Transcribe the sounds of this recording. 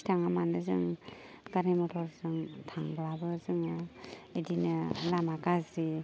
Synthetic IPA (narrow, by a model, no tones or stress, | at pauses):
tʰaŋamandɯzɯ̰ŋ | ɡaɾemɔtʰɔɾzɯŋtʰaŋblabɯzɯŋaedinɯlamakazi